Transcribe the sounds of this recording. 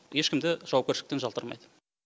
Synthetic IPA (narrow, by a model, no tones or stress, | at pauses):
je̞ʃkʲɪmd̪ɪʒ̥ɑwɑp̚kʲeɾʃɪɪk̚t̪enʒɑlˠt̪əɾmɑ̰jd̪ə